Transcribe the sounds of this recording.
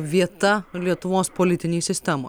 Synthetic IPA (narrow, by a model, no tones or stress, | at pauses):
ʋʲiɛt̪ɐlʲiɛt̪ʊʋoːspoːlʲɪt̪ʲɪnʲeːsʲɪsʲt̪ʲɛmo̰